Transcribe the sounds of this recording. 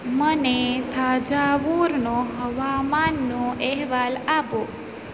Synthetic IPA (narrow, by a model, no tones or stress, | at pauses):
mənet̪ʰad͡ʒaʋuɾnoɦəʋamanːoʔɛɦʋalapo